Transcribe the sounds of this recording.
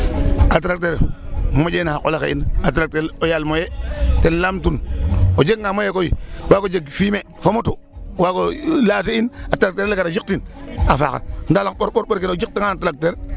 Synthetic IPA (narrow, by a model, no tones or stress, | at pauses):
at̬ɾak̚teɾmmod͡ʒenako̰lakḛḭnat̬ɾak̚teɾojalmojetenlamtunod͡ʒeɡŋamojekojiwakod͡ʒeɡfime | fomotu | wakolateinatɾak̚teɾlekaɾad͡ʒik̚tinafa̰ka̰ndalakɓoɾɓoɾɓoɾkinod͡ʒik̚tiŋanatɾak̚teɾ